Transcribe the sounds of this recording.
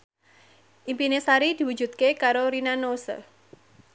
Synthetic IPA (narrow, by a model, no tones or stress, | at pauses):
ʔimpinesaɾid̪̥i̤wu̥d͡ʒṳt̪̚kekaɾoɾinanosə̰